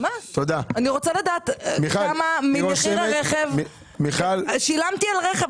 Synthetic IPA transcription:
mat̪od̪aaniʁot͡salad̪aːt̪miaamamiχʁaʁeχevmi | miχalʃilamt̪ialʁeχe

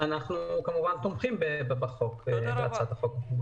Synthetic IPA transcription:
anaχnukamuvant̪omχimbebebaχokbeat͡sat̪aχok

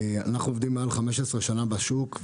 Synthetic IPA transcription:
anaχnuovd̪imːealχameʃesʁeʃanabaʃuk

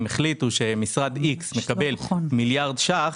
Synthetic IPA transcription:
meχlit̪uʃe̞misʁad̪iksmekabe̞lmiljaʁd̪ʃaχ

